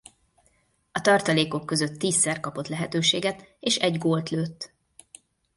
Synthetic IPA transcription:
ɒt̪ɒrt̪ɒleːko̞kːø̞zøt̪ːiːsːɛrkɒpo̞t̪lɛɦɛt̪øːʃeːɡɛt̪eːʃɛɟɡoːlt̪løːt̪ː

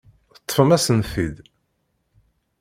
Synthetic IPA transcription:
θət̪ˤːfəmæsənθid̪

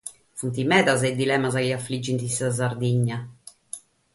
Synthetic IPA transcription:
funt̪imɛːðaz̬ɛd̪ːilɛːmazakːaflid͡ʒːint̪isaz̬aɾd̪iɲːa

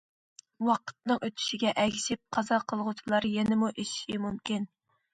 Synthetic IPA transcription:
wɑqə̥t̪̚nɨŋʔøt̪ʰy̥ʃiɡʲɛʔɛɡʲisɪp̚qʰɑzɑqʰəlˠʁʊt͡ʃʰulˠɑɾjɛnɪmuʔeʃiʃimumkʲin

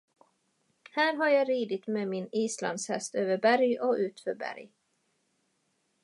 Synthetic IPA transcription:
hæːɾɦaɾjɑɾiːd̪ɪt̪meːmɪniːsla̰nd̪shɛ̰st̪øːvəɾbæɾjɔʔʉ̟ːt̪fœɾbæ̰ɾj

